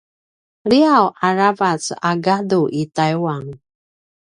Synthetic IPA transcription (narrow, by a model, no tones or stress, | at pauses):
liawʔaɹavasaɡaduʔitajuwaŋ